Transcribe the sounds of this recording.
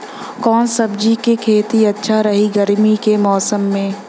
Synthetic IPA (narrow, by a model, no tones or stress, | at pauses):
kɔːnsɐbd͡ʒikekʰeːt̪iɐtːʃʰaɾɐɦiɡɐɾmikemɔːsəmːẽː